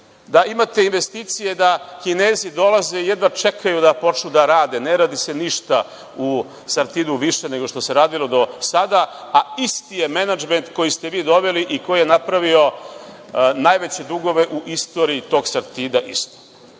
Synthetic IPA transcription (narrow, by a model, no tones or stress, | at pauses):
d̪aimat̪e̞inʋe̞st̪it̪sije̞d̪akine̞ːzid̪o̞lˠaze̞ijed̪ʋat͡ʃekʰajud̪apo̞t͡ʃnud̪aɾaːd̪e̞neɾaːd̪ise̞niʃt̪a | u | saɾt̪iːd̪uʋiʃe̞ne̞ɡoʃt̪o̞se̞ɾaːd̪ilˠo̞d̪o̞sad̪aaist̪ijemenad͡ʒme̞nt̪ko̞jist̪eʋiːd̪o̞ʋe̞liʔiko̞jijenapɾaʋio̞ | najʋet͡ɕe̞d̪uɡo̞ʋe̞ʔuʔist̪o̞ːɾiːt̪o̞ːɡsaɾt̪iːd̪aʔist̪o̥